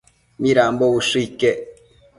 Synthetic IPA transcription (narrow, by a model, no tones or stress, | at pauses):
miɾaːmbowuʂike